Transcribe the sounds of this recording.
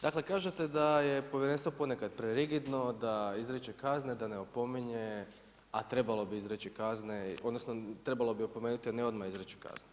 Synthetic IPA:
d̪akle̞kaːʒet̪ed̪ajepoʋjeɾenst̪ʋopo̞nekad̪pɾeɾiɡid̪no̞d̪aizɾet͡ʃekazned̪aneopo̞miɲe | at̪ɾe̞balo̞biizɾet͡ʃikazneo̞d̪nosnot̪ɾe̞balˠo̞bio̞pomeːnut̪ianeo̞d̪maizɾet͡ʃi̥ka̰znu

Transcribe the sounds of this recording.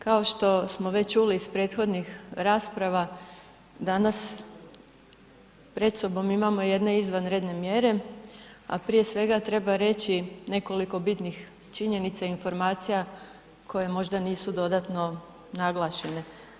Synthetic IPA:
kao̞ʃt̪o̞smo̞ʋe̞ct͡ʃuliːspɾe̞ːt̪xo̞d̪nixɾaːspɾaʋa | d̪anas | pɾe̞t̪so̞bo̞mimamo̞je̞d̪ne̞izʋanɾed̪ne̞mje̞ɾe̞ | a̰pɾije̞sʋe̞ɡat̪ɾe̞baɾe̞t͡ɕine̞ko̞liko̞bit̪nix | t͡ʃiɲe̞nit̪sainfo̞ɾmaːt̪sija | kʰo̞je̞mo̞ʒd̪aniːsud̪o̞d̪at̪no̞ | naɡlˠaʃe̞ne̞

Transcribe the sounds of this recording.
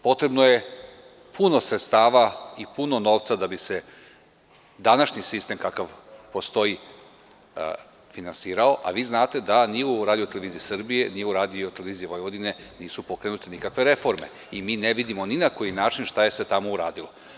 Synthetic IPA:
po̞t̪ɾe̞bnoje | pʰuno̞sɾet̪st̪aːʋaipuno̞no̞ːʋt̪sad̪abise̞ | d̪anaʃɲisist̪e̞mkakaʋpo̞st̪o̞i | finansiːɾao̞ʔa̰ʋiːznaːt̪e̞d̪aniuɾaːd̪ijo̞t̪ele̞ʋiːziisr̩bije̞nijeuɾaːd̪io̞t̪e̞leʋiːzijiʋo̞jʋo̞d̪ine̞niːsupo̞kɾenut̪enikakʋe̞ɾe̞fo̞ɾme̞̰ | imiːneʋid̪imo̞ninako̞jinaːt͡ʃinʃt̪aje̞set̪amouɾa̰ːd̪ilo

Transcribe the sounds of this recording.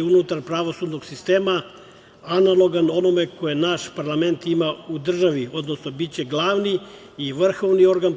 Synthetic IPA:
unut̪aɾpɾaʋo̞suːd̪no̞ɡsist̪eːma | analˠo̞ɡano̞no̞meko̞jenaʃpaɾlˠame̞nt̪imaud̪r̩ʒaʋio̞d̪nosno̞bit̪̚t͡ɕe̞ɡlˠaːʋni | iʋr̩xoʋnio̞ɾɡan

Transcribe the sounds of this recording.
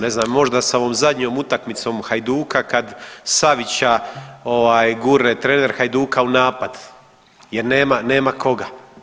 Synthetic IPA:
ne̞znaːmːo̞ʒd̪asaoʋo̞ːmzad̪ɲo̞ːmut̪akmit̪so̞mxajd̪uːkakad̪saʋit͡ɕao̞ʋaːjɡuɾet̪ɾene̞ɾxajd̪uːkaunaːpad̪ | je̞ɾneːmane̞ːmakʰo̞ɡa

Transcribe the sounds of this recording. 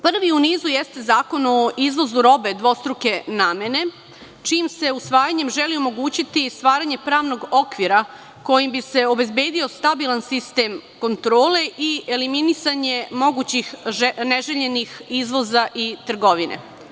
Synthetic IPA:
pr̩ʋiuniːzujest̪ezaːko̞no̞ʔizʋo̞zuɾo̞be̞d̪ʋo̞st̪ɾuke̞naːmene̞ | t͡ʃiːmse̞usʋaːjaɲe̞mʒeliomo̞ɡuːt͡ɕit̪ist̪ʋaːɾaɲe̞pɾaːʋno̞ɡo̞kʋiɾa | ko̞jimbise̞o̞be̞zbe̞ːd̪io̞st̪abilˠansist̪eːmko̞nt̪ɾo̞ːle̞ʔieliminisaɲe̞mo̞ɡuːt͡ɕixneʒeʎe̞nixizʋo̞zaʔit̪r̩ɡo̞ʋinḛ

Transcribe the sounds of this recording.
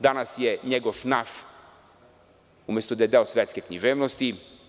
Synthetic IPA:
d̪anasjeɲeɡoʃnaʃ | umʲjest̪od̪ajed̪eosvʋjet̪skekɲiʒeːʋnost̪i

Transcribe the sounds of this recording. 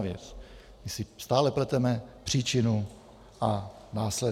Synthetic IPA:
vjɛ̰t͡s | mɪsɪst̪aːlɛplɛt̪ɛmɛpr̝̥iːt͡ʃɪnu | ʔa | naːslɛ

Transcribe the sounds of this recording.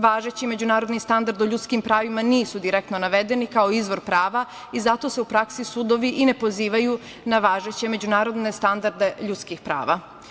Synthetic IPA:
ʋaːʒet͡ɕime̞d͡ʑunaːɾo̞d̪nist̪and̪aɾd̪oʎut̪skimpɾaːʋimaniːsud̪iɾekt̪no̞naʋe̞d̪e̞nikaoizʋo̞ɾpɾaːʋa | izat̪o̞seupɾaksisud̪o̞ʋiʔine̞po̞ziːʋaju | naʋaːʒet͡ɕe̞me̞d͡ʑunaːɾo̞d̪ne̞st̪and̪aɾd̪e̞ʎut̪skixpɾa̰ːʋa

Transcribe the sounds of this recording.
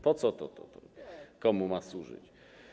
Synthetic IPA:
pɔt̪sɔt̪ɔt̪ɔ̰t̪ɔkɔmumaswuʐɘ̰t͡ɕ

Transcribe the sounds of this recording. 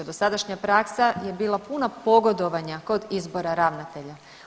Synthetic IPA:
ad̪osad̪aʃɲapɾaksajebiːlˠapunapo̞ɡo̞d̪o̞ʋaɲako̞d̪izbo̞ɾaɾaʋnat̪e̞ʎa

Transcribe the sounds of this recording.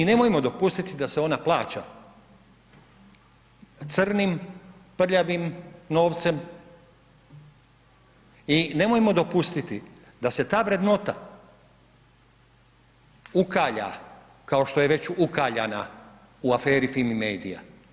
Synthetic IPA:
ine̞mojemo̞d̪o̞pust̪it̪id̪aseo̞naplˠaːt͡ɕa̰ | t̪sɨr̩nimpr̩ʎaʋimno̞ːʋt̪se̞m | ine̞mojemo̞d̪o̞pust̪it̪i | d̪ase̞t̪aːʋɾed̪no̞t̪a | ukaːʎa̰ | kao̞ʃt̪o̞jeʋe̞t͡ɕukaːʎana | uafe̞ːɾifilmimeːd̪ija̰

